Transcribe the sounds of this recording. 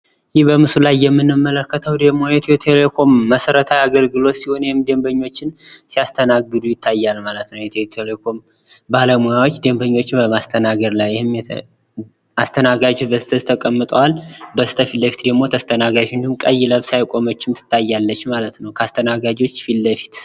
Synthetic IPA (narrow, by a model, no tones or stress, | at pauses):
jɪhbəmɨsulajːɛmːɨnːɨmːələkːət̪ʰəwd̪əɡmːo̞jɛt̪ʰt̪ʰele̞kʰo̞mːəsəɾət̪ʰajaɡəlɡɨlo̞t̪siho̞njehɪmd̪e̞mbəɲːo̞t͡ʃːɪnsijast̪ʰənaɡɨd̪ujɪt̪ʰːajːalmalət̪nəwjɛt̪ʰet̪ʰelekʰo̞m | baləmujawot͡ʃːd̪e̞mbəɲːo̞t͡ʃːɪbəmast̪ʰənaɡəɾlajɪhɨmj | ast̪ʰənaɡad͡ʒot͡ʃbəsɨt̪ʰəzit̪ʰəkʼəmːɨt̪ʼəwalbəsɨ̥t̪ʰəfilːəfi̥t̪d̪əɡmo̞t̪ʰəst̪ʰənaɡad͡ʒɨnd̪əhumkʼəjːləβsajkʼo̞mət͡ʃːɪmt̪ʰɨ̥t̪ʰːajːalːət͡ʃːmalət̪nəwkʰəast̪ʰənaɡad͡ʒo̞t͡ʃːfilːəfi̥t̪